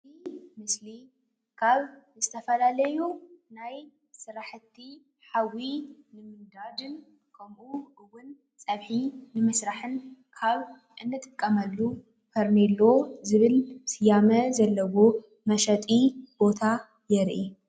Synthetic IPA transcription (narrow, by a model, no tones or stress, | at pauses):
imɨsli | kʰaβzɨt̪ʰɐfɐlalɐjunaj | sɨɾaħɨt̪ʰːi | ħawinɨmɨnd̪ad̪ɨn | kʰɐmʔuʔɨwːʊn | t͡sʼɐβħinɨmɨsɾaħɨnkʰaβ | ʔɨnːɨt̪ʼɨ̥kʼːɐmɐlːu | pʰɐɾnelːo̞zɨβɨlsɨjamɐzɐlːɐβo | mɐʃɐt̪ʼib̥o̞t̪ʰa | jɛɾʔi